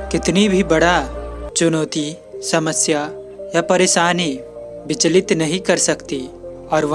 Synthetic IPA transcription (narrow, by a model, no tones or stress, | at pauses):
kɪt̪nibʱibɐɽat͡ʃʊnoːt̪i | sɐməsja | japɐɾeːʃaːni | bɪt͡ʃlɪt̪nɐɦĩkɐɾsɐkt̪i | ɔːɾʋ